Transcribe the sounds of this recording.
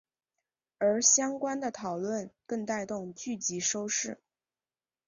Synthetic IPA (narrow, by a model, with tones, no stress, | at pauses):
ə˞˧˥ɕjɑ˥ŋkwa˥nd̪ə˨t̪ʰɑ˨˩ʊlwə˥˧nkɤ˥˧ŋt̪a˥˧ɪt̪ʊ˥˧ŋt͡ɕy˥˩t͡ɕi˧˥ʂo˥ʊʂɻ̩˥˩